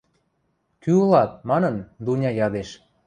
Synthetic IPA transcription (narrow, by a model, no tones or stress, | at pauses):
kyulɑt̪̚mɑnɤnd̪unʲɑjɑd̪eʃ